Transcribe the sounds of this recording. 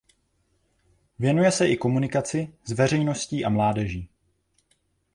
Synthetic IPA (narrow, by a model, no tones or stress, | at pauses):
vjɛnujɛsɛʔɪko̞munɪkat͡sɪzvɛr̝ɛjno̞sciːʔamlaːdɛʒiː